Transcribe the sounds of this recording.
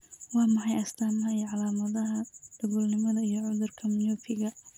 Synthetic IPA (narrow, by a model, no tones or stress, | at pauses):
wɑːmɑħɑjɐst̪ʰaːnɐɦɐijɔʕɑlaːmɐðɐɦɐd̪̥ɐɣʊlnɪmɐðɐijɔʕʊðʊrkʰɐmɪnɔfɪɣɐ